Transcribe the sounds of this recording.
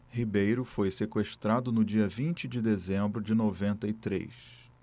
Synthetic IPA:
hibejɾʊfojsekweʃt̪ɾad̪ʊnʊd͡ʒiɐvĩnt͡ʃɪd͡ʒɪd̪ezẽmbɾʊd͡ʒɪnovẽnt̪ɐit̪ɾḛjs

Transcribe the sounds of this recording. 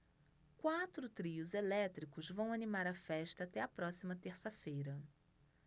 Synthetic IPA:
kwat̪ɾʊt̪ɾiʊzelɛt̪ɾikʊzvɐ̃w̃animaɾɐfɛʃt̪ɐaːt̪ɛɐpɾɔsimɐt̪eɾsɐfejɾɐ

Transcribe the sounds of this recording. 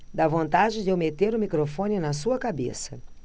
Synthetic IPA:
d̪avõnt̪ad͡ʒɪd͡ʒ̪ewmet̪eɾʊmikɾofõnɪnɐsuɐkabḛsɐ

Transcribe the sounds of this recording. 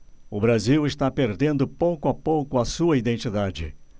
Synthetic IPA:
ʊbɾaziwɪst̪apeɾd̪ẽnd̪ʊpowkʊapowkʊɐsuɐid̪ẽnt͡ʃid̪ad͡ʒɪ̰

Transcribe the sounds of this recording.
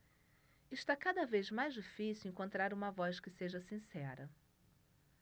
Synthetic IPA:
ɪʃt̪akad̪ɐvezmajzd͡ʒifisiwẽŋkõnt̪ɾaɾũmɐvɔskɪseʒɐsĩsɛɾɐ

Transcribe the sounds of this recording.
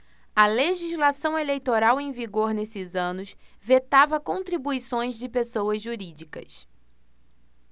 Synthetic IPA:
ɐleʒizlasɐ̃w̃elejt̪oɾawẽj̃viɡoɾnesɪzɐ̃nʊs | vet̪avɐkõt̪ɾibuisõj̃zd͡ʒɪpesowɐzʒuɾid͡ʒikɐ̰s

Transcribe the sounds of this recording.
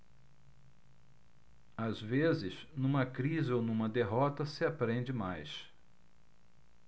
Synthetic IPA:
azvezɪznũmɐkɾizɪonũmɐd̪eɦɔt̪ɐsɪapɾẽnd͡ʒɪmajs

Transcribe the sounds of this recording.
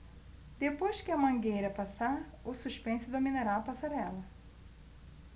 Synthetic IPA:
d̪epojʃkʲɪɐmɐ̃ŋɡejɾɐpasa | ʊsuʃpẽnsʊd̪ominaɾaɐpasaɾɛlɐ

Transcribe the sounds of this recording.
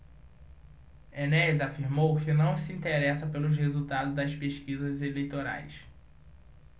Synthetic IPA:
enɛzafiɾmowkɪnɐ̃w̃sɪĩnt̪eɾɛsɐpelʊʃhezuwt̪ad̪ʊzd̪ɐʃpeʃkizɐzelejt̪oɾa̰js

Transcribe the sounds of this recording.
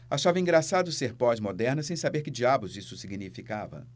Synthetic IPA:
aʃavɐĩŋɡɾasad̪ʊseɾpɔzmod̪ɛɾnɐsẽj̃sabeɾkɪd͡ʒiabʊzisʊsiɡinifikavɐ̰

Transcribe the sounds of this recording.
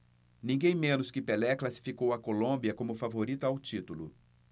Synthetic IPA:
nĩɡẽj̃mẽnʊskɪpɛlɛklasi̥fikowɐkolõbiɐkõmʊfavoɾit̪ʊawt͡ʃit̪ulʊ

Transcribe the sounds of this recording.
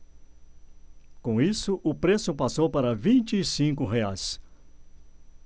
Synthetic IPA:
kõw̃isʊʔʊpɾesʊpasowpaɾɐvĩnt͡ʃɪːsĩŋkʊɦeajs

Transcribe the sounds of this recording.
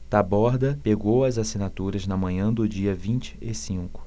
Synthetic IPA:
t̪abɔɾd̪ɐpeɡowɐzasinat̪uɾɐznɐmɐ̃ɲɐ̃d̪ʊd͡ʒiɐvĩnt͡ʃɪ̥esĩkʊ̥

